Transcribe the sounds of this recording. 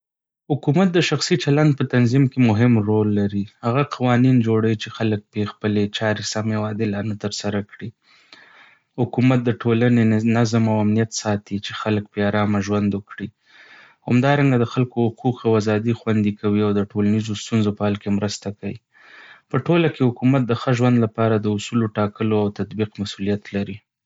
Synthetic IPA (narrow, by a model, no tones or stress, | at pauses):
hʊkumat̪̚d̪əʃaxsit͡ʃaland̪̚pət̪anzimkemʊɦɪmɾolːaɾihaɣaqʰawɑnind͡ʒoɽait͡ʃexalək̚pexpəlet͡ʃɑɾesamewɑd̪elanət̪əɾsaɾakɽi | hʊkumat̪̚d̪əʈʰolanenazəmawamnijat̪sɑt̪it͡ʃexalək̚peɑɾɑmaʒwand̪ʊkɽi | whamd̪ɑɾaŋɡad̪əxalkohʊquqawazɑd̪ixwand̪ikʰawiawd̪əʈolanizost̪unzopəhalkemɾəst̪akawḭ | pəʈolakehʊkumat̪̚d̪əxəʒwand̪lapɑɾad̪əʊsuloʈɑkəloawt̪at̪biqmasulijat̪laɾi